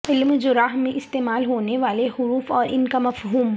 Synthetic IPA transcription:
ɪlmd͡ʒoɾaːɦmẽʔɪst̪eːmaːlɦoːneʋaːleɦʊɾuːfɔːɾʔɪnkamɐfɦuːm

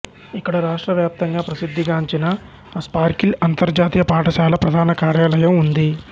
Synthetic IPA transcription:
ikːɐɽɐɾaːʂʈɾɐʋjaːp̚t̪ɐŋɡaːpɾɐsid̪ʱːiɡaːɲt͡ʃinɐ | spaːɾkilɐnt̪ɐɾd͡ʒaːt̪ijɐpaːʈɐʃaːlɐpɾɐd̪ʱaːnɐkaːɾjaːlɐjɐmund̪i

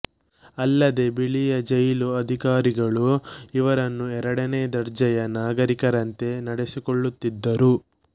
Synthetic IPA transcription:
ɐlːɐd̪e̞biɭijɐd͡ʒɐjluɐd̪ʱikaːɾiɡɐɭuiʋɐɾɐnːuɛɾɐɽɐne̞ːd̪ɐɾd͡ʒɐjɐnaːɡɐɾikɐɾɐnt̪e̞nɐɽesikoɭːut̪ːid̪ːɐɾu

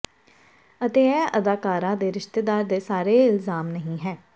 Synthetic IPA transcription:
ət̪eːɛːəd̪aːkaːɾãːd̪eːɾɪʃt̪eːd̪aːɾd̪eːsaːɾeːɪlzaːmnəɦĩːɦɛː

